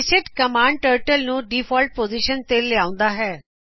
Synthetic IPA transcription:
ɪsɪʈkəmaːɳɖʈəːɾʈəlnũːɖiːfʰɔːlʈ̚poːziʃənt̪elɪaːʊ̃nd̪aɦɛː

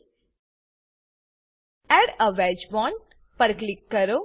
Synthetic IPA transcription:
ɛɽəʋɛd͡ʒbɔn | pəɾklikːəɾo

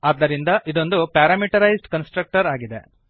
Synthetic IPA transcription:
aːd̪ːɐɾind̪ɐʔid̪o̞nd̪upaːɾaːmiʈɐɾɐjzɖkɐnsʈɾɐk̚ʈɐɾaːɡid̪e̞̰

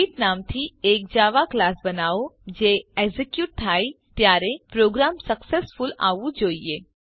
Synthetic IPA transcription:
iʈnaːmt̪ʰieːk̚d͡ʒaːʋaklaːsbɐnaːod͡ʒeːeɡzikjuːʈ̚t̪ʰaːi | t̪jaːɾepɾoːɡɾaːmsɐksesfʊla̰ːʋud͡ʒoːieː

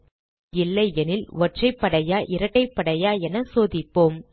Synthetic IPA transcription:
ɪlːɐɪɛnɪlʋɔʈrɐɪpːɐɽɐjaːʔɪɾɐʈːɐɪpːɐɽɐjaːɛnɐsoːðɪpːoːm

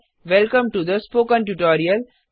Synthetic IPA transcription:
ʋɛlkə̃mʈud̪əspoːkə̃nʈuʈɔːɾiəl

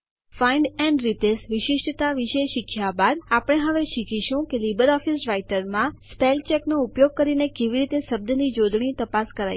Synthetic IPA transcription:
faiɳɖɛɳɖɾit̪esʋɪʃɪʃʈt̪aʋiʃeʃikʰjabad̪apəɽ̃eɦəʋeʃikʰiʃũkelibəɾɔfisɾajʈəɾmãspelt͡ʃeknoupjoɡ̚kəɾinekeʋiɾit̪eʃəb̚d̪ənid͡ʒod̪ɳ̃it̪əpaskəɾaj

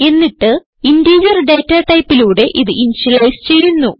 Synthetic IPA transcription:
e̞nːiʈːɨ | indiːd͡ʑɐrɖe̞ːtːɐʈɐjpːiluːɽe̞ʔiðɨʔiniɕilɐjst͡ɕe̞jːunːu

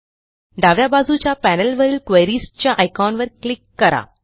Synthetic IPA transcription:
ɖaʋjabad͡zut͡ɕjapænəlʋəɾiːlkʋejɾiːst͡ɕjaʔajkawnʋəɾklikːəɾa̰

